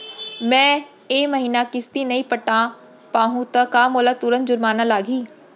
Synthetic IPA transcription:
mɛ̃ː | eːməɦiːnaːkɪst̪iːnəĩːpəʈːãː | paːɦũːt̪akaːmoːlaːt̪uːɾənd͡ʒʊɾmaːnãːlaːɡiː

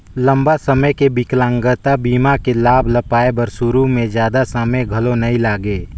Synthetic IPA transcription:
lə̃mbasəməjkebɪklãːŋɡət̪abiːmakelaːbʱləpaːebəɾsʊɾumẽd͡ʒjaːd̪asəməɡʱɐlonɐĩlaːɡeː

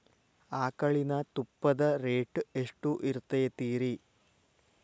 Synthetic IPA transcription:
aːkɐɭinɐt̪upːɐd̪ɐɾeːʈɨeʂʈuʔiɾut̪ːɐjɐt̪iːɾi

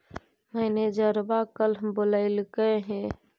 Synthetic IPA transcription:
məɪned͡ʒəɾbakəlboləɪlkəɦẽ

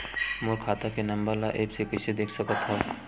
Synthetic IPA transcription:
mʊɾkʰaːt̪akenɐ̃mbəɾlaʔeːpsekɪsed̪eːkʰsɐkat̪ʰːa

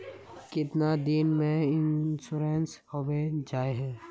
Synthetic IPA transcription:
kɪt̪nad̪ɪnmẽɪnsuɾeːnshobed͡ʒaːeɦɛ̃ː

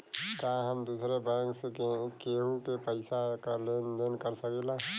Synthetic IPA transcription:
kaɦəmd̪uːsɾebɛ̃ːkseekeːɦũkepəɪsakaleːnd̪enkəɾsəkela

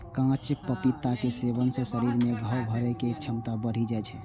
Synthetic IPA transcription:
kãt͡ʃpəpit̪ːakesebənsẽsəɾiɾmeɡʱəwbʱəɾɛket͡ʃʰəmt̪abəɽ̤id͡ʒajt͡ʃʰɛ

